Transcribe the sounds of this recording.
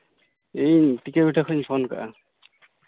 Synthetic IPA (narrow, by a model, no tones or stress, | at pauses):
ejʈikabiʈʰakʰɔɲpʰɔnka̰ʔa